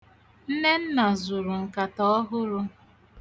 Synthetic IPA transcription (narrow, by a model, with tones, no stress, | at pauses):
n̩˦ne˦n̩˦na˨zʊ˨ɾʊ˨ŋ̩˨ka˨tɔ˦ɔ˦ɦʊ˦ɾʊ˦